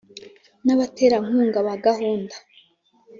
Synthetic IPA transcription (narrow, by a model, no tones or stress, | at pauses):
naβateːɾaŋ̥uːŋɡaβaɡahuːndḁ